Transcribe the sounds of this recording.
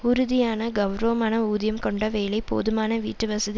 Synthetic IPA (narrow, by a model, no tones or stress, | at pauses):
ʊɾʊðɪjaːnɐɡɐʋɾɐʋːɐmaːnɐuːðjɐmkɔɳɖɐʋeːɭɐɪpo̰ːðɯmaːnɐʋḭːʈːɯʋɐsɐði